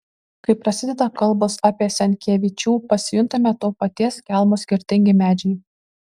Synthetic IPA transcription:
kɐɪpɾɐsʲɪd̪ʲɛd̪ɐkɐlˠˑbosɑːpʲiɛsʲɛnʲkʲeːʋʲɪt͡ʃʲuːpɐsʲɪjʊnt̪ɐmʲɛt̪oːpɐt̪ʲiɛskʲɛˑlˠmoːsʲkʲɪɾʲt̪ʲɪŋʲɡʲɪmʲæːd͡ʒʲɛɪ

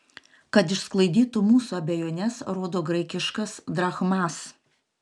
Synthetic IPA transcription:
kɐt̪ɪʃsklˠɐɪd̪ʲiːt̪umuːsuɐbʲɛjoːnʲɛsɾoːd̪oːɡɾɐɪkʲɪʃkɐsd̪ɾɐxmɑs

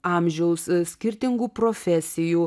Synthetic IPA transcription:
ɑːmʲʒʲɛʊssʲkʲɪɾʲt̪ʲɪŋɡuːpɾɔfʲɛsʲɪjuː

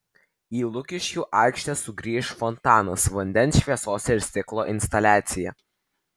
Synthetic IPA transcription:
iːlˠʊkʲɪʃʲkʲuːʔɑˑɪkʃʲt̪ʲɛsʊɡɾʲiːʃfɔnt̪ɑːnɐsʋɐnʲd̪ʲɛnsʃʲʋʲiɛsoːsʲɪɾʲsʲt̪ʲɪklˠoːʔɪnʲst̪ɐlʲæːt̪sʲɪjɛ̰

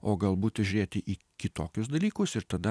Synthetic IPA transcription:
oːɡɐlˠbuːt̪ʲʒʲʊɾʲeːt̪ʲɪʔiː | kʲɪt̪oːkʲʊsd̪ɐlʲiːkʊsɪɾt̪ɐd̪ɐ

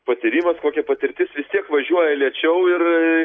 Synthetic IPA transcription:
pɐt̪ʲiɾʲiːmɐskoːkʲɛpɐt̪ʲɪɾʲt̪ʲɪsʋʲɪst̪ʲiɛkʋɐʒʲuɔjɛlʲiɛt͡ʃʲɛʊɪr

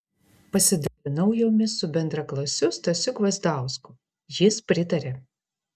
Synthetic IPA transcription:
pɐsʲɪd̪ɐlʲɪnɐʊjoːmʲɪsʊbʲɛnd̪ɾɐklˠɐsʲʊst̪ɐsʲʊkʋɐzd̪ɑˑʊskʊ | jɪspʲɾʲɪt̪ɐɾʲe

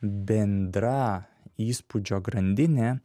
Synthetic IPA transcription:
bʲɛnʲd̪ɾɐ | iːspʊd͡ʒʲoːɡɾɐnʲd̪ʲɪnʲeː

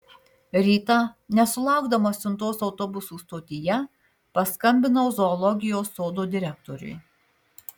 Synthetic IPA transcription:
ɾʲiːt̪ɑnʲɛsʊlˠɑˑʊɡd̪ɐmosʲʊnt̪oːsɒʊt̪ɔbʊsuːst̪oːt̪ʲɪjɛ | pɐskɐmʲbʲɪnozɔːlˠɔɡʲɪjoːsːoːd̪oːd̪ʲɪɾʲɛk̚t̪ɔɾʲʊ̰j

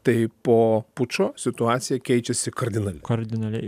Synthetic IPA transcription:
t̪ɐɪpoːpʊt͡ʃoːsʲɪt̪ʊɑːt̪sʲɪjɛkʲɛɪt͡ʃʲɛsʲɪkɐɾʲd̪ʲɪnɐlʲɛkɐɾʲd̪ʲɪnɐlʲɛɪ

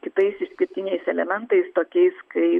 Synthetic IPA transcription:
kʲɪt̪ɐɪsɪʃsʲkʲɪɾʲt̪ʲɪnʲɛɪsɛlʲɛmʲɛnt̪ɐɪst̪oːkʲɛɪskɐɪ

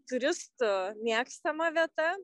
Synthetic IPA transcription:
t̪ʊɾʲɪst̪ʊmʲiːkst̪ɐmɐʋʲiɛt̪ɐ

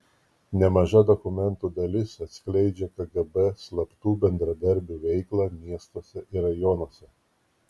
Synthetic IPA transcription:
nʲɛmɐʒɐd̪ɔkʊmʲɛnt̪uːd̪ɐlʲɪsɐt̪ʲsʲklʲɛɪd͡ʒʲɛkɐɡɐbɛslˠɐpt̪uːbʲɛnd̪ɾɐd̪ɐɾʲbʲuːʋʲɛɪklˠɑːmʲiɛst̪oːsʲɛʔɪɾɐjɔnoɔsʲɛ

